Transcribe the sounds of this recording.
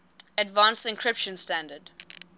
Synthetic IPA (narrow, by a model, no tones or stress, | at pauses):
ədvãnsɪ̃nkʰɹɪpʃə̃nstæ̃ndəd